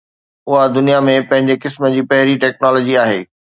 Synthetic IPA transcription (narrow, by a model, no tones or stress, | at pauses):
ʊɦad̪ʊnijamẽpɐ̃ɦɪ̃ɲd͡ʑekɪsmə̆d͡ʑiːpɐɦɪɾiʈɛːk̚naːlɔːd͡ʑiaːɦḛː